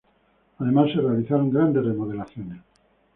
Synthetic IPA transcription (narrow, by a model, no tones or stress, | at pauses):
aðe̞masːerealiθaɾoŋɡɾand̪ezremoð̞elaθjones